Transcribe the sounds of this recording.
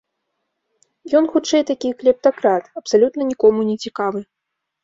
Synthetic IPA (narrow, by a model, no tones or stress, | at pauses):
jɔnxut͡ʂɛjt̪akʲijklʲɛp̚t̪akɾat̪ɐpsalʲut̪nɐnʲikɔmunʲɛt͡sʲikavɨ